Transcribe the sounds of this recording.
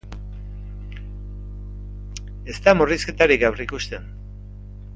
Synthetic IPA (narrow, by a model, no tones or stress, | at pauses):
e̞st̪amuriske̞t̪aɾikawrikust̪e̞n